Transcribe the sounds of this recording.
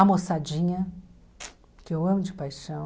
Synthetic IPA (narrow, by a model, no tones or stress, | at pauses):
amosad͡ʒĩɲɐ | kɪewɐ̃mʊd͡ʒɪpajʃɐ̃w̃